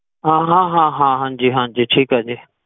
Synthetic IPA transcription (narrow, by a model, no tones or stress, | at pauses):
ɦãːɦãːɦãːɦãːɦãːnd͡ʒiːɦãːɲd͡ʒiːʈʰiːkɦaːd͡ʒeː